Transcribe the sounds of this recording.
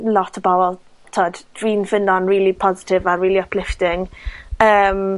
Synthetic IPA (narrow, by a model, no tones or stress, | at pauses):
lɔtʰəbɔvɔlˠ | tʰoːd̥d̥ɹiːnfɪnɔnɹiːlipʰɔzɪtʰɪvaɹiːliəpʰlɪftɪŋəːm